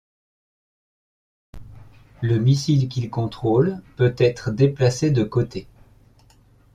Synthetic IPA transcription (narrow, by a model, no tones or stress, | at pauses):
ləmisilk̬ʲilkɔ̃t̪χolpøt̪ɛt̪χd̪eplased̪əkot̪e